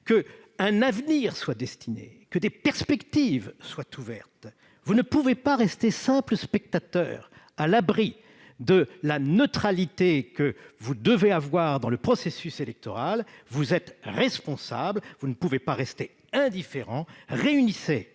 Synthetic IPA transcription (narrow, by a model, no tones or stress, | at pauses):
kə | ɛ̃navniʁswad̪ɛst̪inḛkəd̪epɛʁspɛkt̪ivswat̪ʰuvɛʁt̪ | vunəpuvepaʁɛst̪esɛ̃pləspɛk̚t̪at̪œ̰ːʁ | alabʁi | d̪əlanət̪χalit̪ekəvud̪əveavwaʁd̪ɑ̃ləpχɔsesyselɛk̚t̪ɔʁalvuzɛt̪ʁɛspɔ̃sa̰blvunəpuvepaʁɛst̪e | ɛ̃d̪ifeʁɑ̃ʁeynise